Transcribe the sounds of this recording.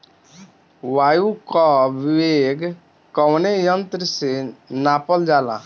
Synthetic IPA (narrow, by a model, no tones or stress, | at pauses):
waːjukɔbiweɡ | kɔwnejənt̪ɾəsenaːpəld͡ʒaːlã̰